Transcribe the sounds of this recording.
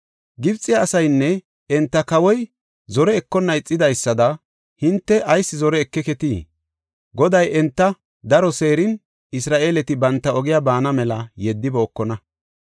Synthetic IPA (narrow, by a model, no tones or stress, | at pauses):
ɡɪbt͡sʼːɪjaːsɐjnːɛ | ɛnt̪ːɐkɐwɔj | zɔɾɛːkːɔnːɐɪt͡sʼːɪd̪ɐjsːɐd̪ɐ | hɪnt̪ːɛʔɐjsːɪzɔɾɛːkːɛkɛt̪iː | ɡɔd̪ɐjʔɛnt̪ːɐ | d̪ɐɾɔse̞ːɾɪn | ɪsɾaːʔe̞ːlɛt̪ɪbɐnt̪ːɐɔɡɪjaːbaːnɐmɛlɐjɛd̪ːɪboːkːɔnɐ